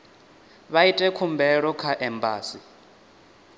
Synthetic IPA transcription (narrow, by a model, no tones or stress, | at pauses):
βaitʼɛkʰumbɛɺɔkʰaʔɛmbaːsi